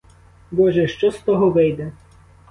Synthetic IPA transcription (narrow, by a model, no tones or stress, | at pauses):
bɔʒɛʃt͡ʃɔst̪ɔɦɔʋɪjd̪ɛ